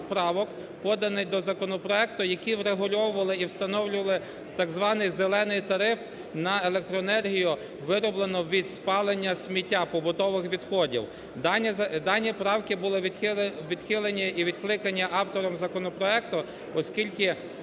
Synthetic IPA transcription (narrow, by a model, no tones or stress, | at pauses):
pɾɑʋɔk | pɔd̪ɐnɪjd̪ɔzɐkɔnɔpɾɔɛk̚t̪ʊjɐkʲiwɾeɦʊlʲɔwʊʋɐlˠɪiwst̪ɐnɔwlʲʊʋɐlˠɪ | t̪ɑɡzʋɑnɪjzelˠɛnɪjt̪ɐɾɪf | nɐelˠek̚t̪ɾɔnɛrɦʲijʊ | ʋɪɾɔblˠenɔʋʲid̪spɑlˠenʲːɐsʲmʲitʲːapɔbʊt̪ɔʋɪxʋʲid̪xɔdʲḭw̪ʲ | d̪ɑnʲːipɾɑwkɪbʊlˠɪʋʲid̪̥xɪlˠenʲiiʋʲid̪̥klˠɪkɐnʲiʔɑwt̪ɔɾɔmzɐkɔnɔpɾɔɛk̚t̪ʊ | ɔsʲkʲilʲkɪ